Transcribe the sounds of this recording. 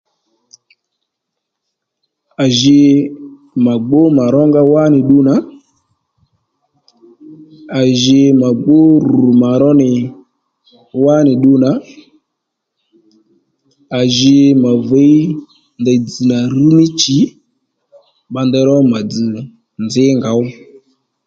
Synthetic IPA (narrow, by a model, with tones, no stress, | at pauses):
a˨ʒɪ˧ | ma˨ɡ͡bo˦ma˨ɾɔ˦ŋɡa˦wa˦nɪ˨ɗu˦na˨˦ | a˨ʒɪ˧ma˨ɡ͡bo˦ɾu˨ma˨ɾɔ˦nɪ˨ | wa˦nɪ˨ɗu˧na˨˦ | a˨ʒɪ˧ma˨və˨˦i˦ | ndə˧d͡zɨ˨na˨ru˦mɪ˦t͡ʃi˨˦ | ɓa˧ndɛ˧ɾɔ˦ma˨d͡zɨ˨ | nd͡zɪ˨˦ŋɡa˨˦ʊ˦